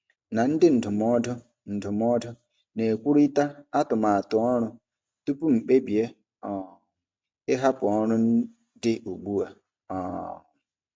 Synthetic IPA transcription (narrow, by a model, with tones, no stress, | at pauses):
na˨n̩˦dɪ˦n̩˨dʊ˨mɔ˦dʊ˦ | n̩˨dʊ˨m˦ɔ˦dʊ˦ | ne˨kʷu˦ɾi˦ta˦a˦tʊ˨ma˨a˨tʊ˨ɔ˦ɾʊ˦ | tu˦pu˦ŋ͡m̩˨k͡pe˦bi˨e˦ | ɔ˨ | ɪ˦ɦa˦pʊ˨ɔ˦ɾʊ˦n̩˦ | dɪ˦ʔu˨ɡ͡bu˦a̰˨ | ɔ̰˨